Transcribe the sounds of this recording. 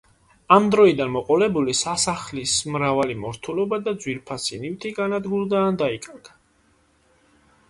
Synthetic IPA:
amd̪ɾɔid̪anmɔqʼɔlɛbulisasaχlismɾavalimɔɾt̪ʰulɔbad̪ad̪zwilpʰasḭnift̪ʰiɡanad̪ɡuld̪aːnd̪aikʼaɾɡ̥a

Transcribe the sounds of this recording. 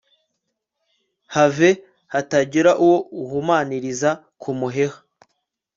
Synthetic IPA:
have̞ | hataɟiɾaʔuwo̞uhumaːniɾiza | kʰumuɦe̞hḁ

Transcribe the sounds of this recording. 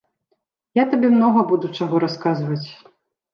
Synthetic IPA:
jat̪abʲɛmnɔɣɐbud̪ut͡ʂaɣɔɾaskazvɐt͡sʲ

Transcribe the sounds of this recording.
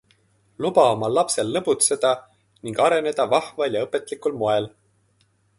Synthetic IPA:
lubɑomɑlːɑpse̞lnɤbut̪sed̪̥ɑ | niŋɡ̥ɑɾe̞ne̞d̪̥ɑvɑhvɑljɑɤpːˑe̞t̪ˑlikˑulmo̞e̞l

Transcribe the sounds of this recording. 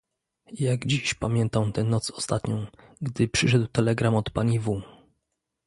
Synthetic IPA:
jaɡd͡ʑiɕpamʲjɛnt̪amt̪ɛnɔt̪sɔ̥st̪at̪ɲɔ̃w̃ɡd̪ɘpʂɘʂɛd̪wt̪ɛlɛɡɾamɔt̪paɲivu

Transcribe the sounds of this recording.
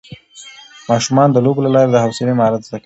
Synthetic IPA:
mɑʃumɑnd̪əloblalɑɾed̪əhawsɪlemaɾat̪zd̪aka

